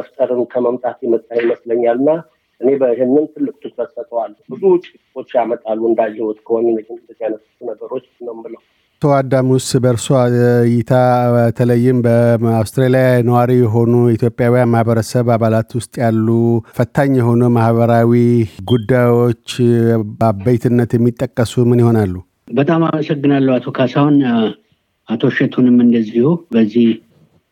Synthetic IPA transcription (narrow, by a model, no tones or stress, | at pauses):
məft̪ʼəɾɨnkʰəməmt̪ʼat̪jɛmət̪ʼːaheməsləɲːalɨnːa | ʔɨne̞bəiɦɪnːɨnt̪ʰɨlːɨkʼt̪ʰɨkfəsːət̪ʰʼəwalːbɨzuʊt͡ʃʼikʼɨo̞t͡ʃːjamət̪ʼalːuɨnd̪ad͡ʒːɛwot̪ʼkʰəwonɨnəd͡ʒɨnɨt̪ːɨt̪janəsut̪nəɡəɾo̞t͡ʃːnəwmbɨləw | t̪ʰəwad̪ːamwʊst̪bəɾsojɪt̪ʰat̪ʰələjːɪmbəawst̪ɾelijanəwaɾijɛɦo̞nuit̪ʰjo̞pʼːjawijanmahbəɾəsəβaβalat̪wʊst̪ʼjalːufət̪ʰːaɲːjɛɦo̞numahβəɾawiɡud̪ːajo̞t͡ʃːbabəjt̪ʰɨnːət̪jɛmːit̪ʼːəkʼːəsumɨnjho̞nalːu | bət̪ʼamaməsəɡːɨnalːəhat̪ʰo̞kʰasawn | at̪ʰo̞ʃɛt̪ʰunɨmɨnd̪əzːihubəzːih